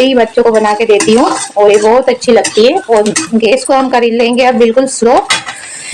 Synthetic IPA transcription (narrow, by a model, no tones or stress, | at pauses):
ibɐtːʃõkobɐnaːked̪eːt̪iɦũoːɾebɔɦʊt̪ɐtːʃʰilɐɡt̪iɦɛɔːɾɡeːskoɦɐmkɐɾilẽːŋɡeɐbbɪlkʊlsʊɾoː